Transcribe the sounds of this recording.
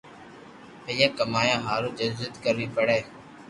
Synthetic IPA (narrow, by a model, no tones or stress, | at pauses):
pəjaːkəmaːjãːɦaːɾoːd͡ʒəzət̪kəɾiːpəɽeː